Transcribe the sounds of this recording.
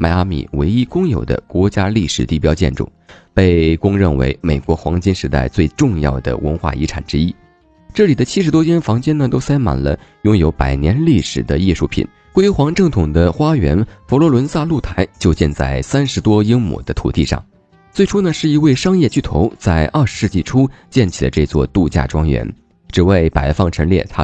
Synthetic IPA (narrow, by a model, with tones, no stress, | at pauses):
ma˧˩ɪa˥mḭ˨˩wḛ˧˥ɪi˥kʊ˥ŋjo˨˩ʊd̪ə̰˦kwɔ˧˥t͡ɕja˥li˥˩ʂɻ̩˨˩t̪i˥˩pjɑ˥ʊt͡ɕjɛ̰˥˧˩nʈ͡ʂṵ˥˩pe˥˩ɪkʊ˥ŋɻə˥˩nwḛ˧˥ɪme˨˩ɪkwɔ˧˥xwɑ˧˥ŋt͡ɕi˥nʂɻ̩˧˥t̪a̰˥˧ɪt͡swe˥˧ɪʈ͡ʂʊ˥˧ŋjɑ˥˩ʊd̪ə̰˩wə̰˧˥nxwa̰˥˩ḭ˧˥ʈ͡ʂʰa̰˨˩nʈ͡ʂɻ̩˥i˥ | ʈ͡ʂɤ˥˩li˨˩d̪ə˦t͡ɕʰi˥ʂɻ̩˧˥t̪wɔ˥t͡ɕjɛ˥nfɑ˧˥ŋt͡ɕjɛ˥nə˨t̪o˥ʊsa˥ɪma̰˨˩nlə̰˦jʊ˥ŋjo˧˥ʊpa˨˩ɪnjɛ˧˥nli˥˩ʂɻ̩˨˩d̪ə˦i˥˧ʂu˥˩pʰḭ˨˩˦n | kwe˥xwɑ˧˥ŋʈ͡ʂɤ˥˩ŋt̪ʰʊ˨˩ŋd̪ə˦xwa˥ɥɛ̰˧˥nfɔ˧˥lwɔ˧˥lwə˧˥nsa˥˧lu˥˩t̪ʰa˧˥ɪt͡ɕjo˥˧ʊt͡ɕjɛ˥˧nt͡sa̰˥˩ɪsa˥nʂɻ̩˧˥t̪wɔ˥ji˥ŋmṵ˨˩d̪ə˦t̪ʰṵ˨˩t̪i˥˧ʂɑ̰˥˩ŋ | t͡swe˥˩ɪʈ͡ʂʰu˥nə˨˩ʂɻ̩˥˩i˧˥we˥˩ɪʂɑ˥ŋjɛ˥˧t͡ɕy˥˩t̪ʰo̰˧˥ʊt͡sa˥˧ɪʔɐ˞˥˩ʂɻ̩˧˥ʂɻ̩˥˧t͡ɕi˥˩ʈ͡ʂʰu˥t͡ɕjɛ˥˩nt͡ɕʰi˨˩lə̰˦ʈ͡ʂɤ˥˧t͡swɔ̰˥˧t̪u˥˧t͡ɕja̰˥˩ʈ͡ʂwɑ˥ŋɥɛ̰˧˥n | ʈ͡ʂɻ̩˨˩we˥˩ɪpa˨˩ɪfɑ˥˩ŋʈ͡ʂʰɤ˧˥ŋljɛ̰˥˩t̪ʰa˥